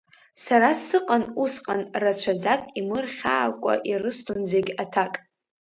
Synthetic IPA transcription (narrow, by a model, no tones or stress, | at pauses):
saɾasɨqʼanusqʼanrat͡ɕʷʰad͡zakʼimɨrχʲa̰ːkʷʼa̰ʔirɨstʰund͡zeɡʲatʰakʼ